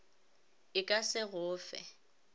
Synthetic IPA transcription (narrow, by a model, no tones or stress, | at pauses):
ɪkʼasɪɣʊːfɛ̰